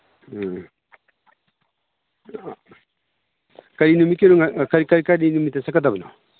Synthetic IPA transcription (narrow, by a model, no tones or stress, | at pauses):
kaɾinumikeɾoŋakaɾikaɾikaɾinumitasakatabɯno̰